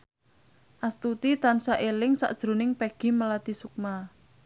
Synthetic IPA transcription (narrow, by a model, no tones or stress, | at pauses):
ʔast̪ut̪it̪ansaʔelɪŋsa̰ʔd̥ʒ̥ɾṳnɪŋpeɡ̥i̤məlat̪isuk̚ma